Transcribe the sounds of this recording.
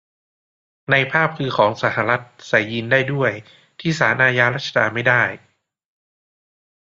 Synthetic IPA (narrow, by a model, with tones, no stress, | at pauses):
na˧jpʰaː˥˩p̚kʰɯː˧kʰɔː˩˦ŋsa˩˦ha˧ɾa˦˥t̪̚sa˨˩jːiː˧ndaː˥˩jdu˥˩əj | t̪ʰiː˥˩saː˩˦nʔaː˧jaː˧ɾaː˥˩t̪̚t͡ɕʰa˧aː˧nma˥˩jdaː˥˩j